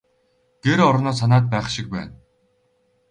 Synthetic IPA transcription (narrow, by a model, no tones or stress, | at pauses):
ɡ̥eɾɔɾnɔːsanaːt̪̚pæːχʃɪk̚pæ̰ːn